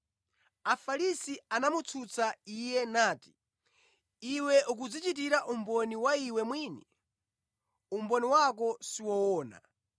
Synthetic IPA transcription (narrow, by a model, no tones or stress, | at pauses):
afaɾisianamut͡sʰut͡saijɛnaːti̥ | iwɛʔuk̬ud͡zit͡ʃit̬iɾaʔumbɔniwaiwɛmwiːni | umbɔniwak̬ɔsiwɔwɔːna̰